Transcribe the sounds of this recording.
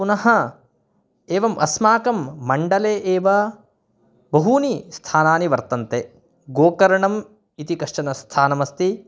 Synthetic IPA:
punɐɦɐ | eːʋɐmʔɐsmaːkɐmːɐɳɖɐleːʔeːʋɐ | bɐɦuːnist̪ʰaːnaːniʋɐɾt̪ɐnt̪e | ɡoːkɐɾɐɳɐm | it̪ikɐʂʈɐnɐst̪ʰaːnɐmɐst̪i

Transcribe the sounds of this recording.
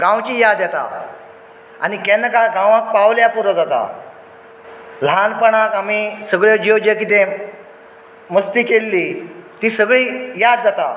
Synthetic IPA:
ɡãwt͡ɕiːjad̪jɛt̪a̰ | a̰nikɛnːəkaɡãʋãk̚pawljapuɾəd͡zat̪a̰ | l̤anpəɳakam̤isəɡɭjed͡ʑewd͡ʑekit̪ẽ | məst̪iːkelːit̪iːsəɡɭiːjad̪̚d͡zat̪a

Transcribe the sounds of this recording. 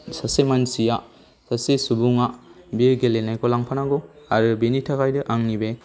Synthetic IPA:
sasemansija | sasesubuŋabiɾɡelenajkɔlaŋpʰanaɡɔaɾɯbenitʰakajdɯʔaŋnibe

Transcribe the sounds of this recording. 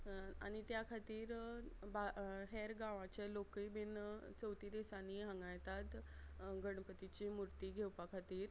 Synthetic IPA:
a̰ɽ̃it̪jakʰat̪iːɾbaɦeɾɡãʋãt͡ɕelokibint͡səwt̪iːd̪esaniːɦãŋɡajt̪at̪ɡəɽ̃pət̪it͡ɕiːmuɾt̪iːɡʱewpakʰat̪iːɾ

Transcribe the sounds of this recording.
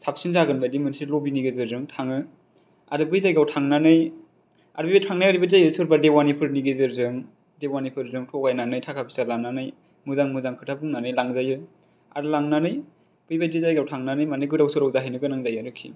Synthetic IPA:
sap̚sinzaɡɯnbajdimɯnsilobiniɡezɯɾzɯŋtʰaŋɯ | a̰ɾɯbɯjzajɡawtʰaŋnanɯj | a̰ɾbibajtʰaŋnajaɾibazajɯsɯɾbadewanipʰɯɾniɡezɯɾzɯŋ | dewanipʰɯɾzɯŋtʰɔɡajnanɯjtʰakʰapʰisaɾlaŋnanɯj | muzaŋmuzaŋkʰɯtʰabuŋnanɯjlaŋzajɯ | a̰ɾɯlaŋnanɯj | b̥ɯjbajdizajɡawtʰaŋnanɯjmanɯjɡɯdawsɯɾawzaɦinɯɡɯnaŋzajaɾɯkʰḭ

